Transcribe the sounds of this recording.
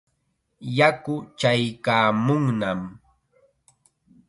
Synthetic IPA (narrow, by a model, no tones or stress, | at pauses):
jakʊt͡ʃajkaːmʊŋnam